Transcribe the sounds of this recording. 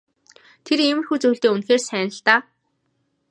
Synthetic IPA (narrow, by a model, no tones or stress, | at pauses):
t̪ʰeremɘ̆xuːt͡sɵj̆ɮt̪eːunxeːrsæːnə̆ɬt̪aː